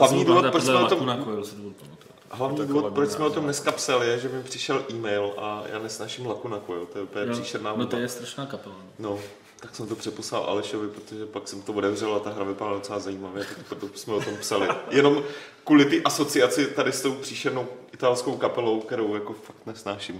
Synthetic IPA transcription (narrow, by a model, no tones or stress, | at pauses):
ɦlavɲiːduvot̪pɾosmɛot̪omnakoɛlsɪduvpomat̪u | ɦlavɲiːduːvopɾot͡ʃsmɛot̪omnɛskapsalɪjɛʒɛmɪmpr̥ɪʃɛlʔiːmɛjlʔajʔa̰ːnɛsnaːʃɪmlakunakujɛlt̪ojɛʔupəɲɛɲpr̥iːʃɛɾnaːnt̪ojɛst̪ɾaʃnaːkapɛla | no̞ | t̪aksɛmt̪opr̥ɛposla̰lʔa̰lɪʃovɪpɾot̪oʒɛpaksɛmɪt̪oodɛvrɛlat̪aɦɾavɪpadlado̞t͡sɛlaːzajiːmavjɛt̪akpɾot̪osmɛot̪o̞mpsalɪjɛno̞m | kuːlɪt̪ɪʔaso̞t͡sɪat͡sɪt̪adɪst̪o̞wpr̥iːʃɛɾno̞wʔɪt̪alsko̞wkapɛlo̞wkt̪ɛɾo̞wjako̞fak̚t̪nɛsnaːʃɪm